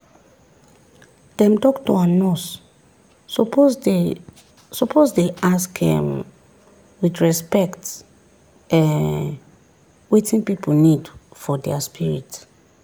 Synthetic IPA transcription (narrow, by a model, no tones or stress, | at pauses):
d̥ɛ̃mtɔktuanɔs | sɔpʰozdeʔaskhɛ̰̃m | widɹɛspɛkt | ɛ̃n | wetĩnpiponidfɔdɛaspʰiɹit